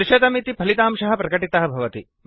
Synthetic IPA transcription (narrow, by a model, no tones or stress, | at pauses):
ɪʃɐd̪ɐmit̪ipʰɐlit̪aːmʃɐɦɐpɾɐkɐʈit̪ɐɦɐbʱɐʋɐt̪i